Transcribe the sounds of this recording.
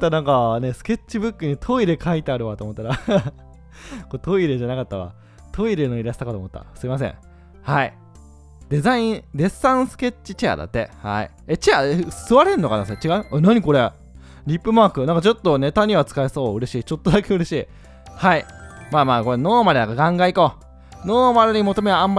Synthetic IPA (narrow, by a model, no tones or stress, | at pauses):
t̪ːanãŋkane̞sɨ̥ke̞t͡ɕt͡ɕːibɯ̟kːɯ̟ɲ̟it̪ʰo̞iɾe̞kʰait̪e̞aɾɯ̟βat̪oːmot̪ːaɾa | kot̪o̞iɾe̞ʑanakat̪ːaβa̰ | t̪ʰo̞iɾe̞no̞iɾaɕi̥t̪akat̪oːmot̪ːa̰sɨimas̬ḛ̃ | hai | d̪e̞zaĩɾe̞sːãɰ̃sɨ̥ke̞t͡ɕːit͡ɕia̰d̪a̰t̪ːe̞̰ha̰ḭ | et͡ɕiaesɨβaɾenːokanaset͡ɕiɡaɯ̟̃enaɲ̟iko̞ɾe̞ | ɾʲipːɯ̟maːkɯ̟nãŋkat͡ɕo̞t̪ːone̞t̪aɲ̟iβat͡sɨ̥kaeso̞ːɯ̟ɾe̞ɕiːt͡ɕo̞t̪ːod̪ake̞ɯ̟ɾe̞ɕiː | haimaːmaːkoɾeno̞ːmaɾed̪akaɡãŋɡaiko | noːmaɾɯɲ̟imo̞t̪o̞meãmba